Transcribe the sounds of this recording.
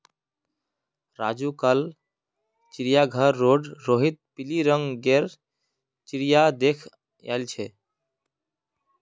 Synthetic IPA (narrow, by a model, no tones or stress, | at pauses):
ɾad͡ʒukəl | t͡ʃiɾijaɡʱəɾːoɖɾoɦit̪̚piliɾəŋɡɡeɾ | t͡ʃiɾijad̪ekʰ | ja̰jlt͡ʃʰɛ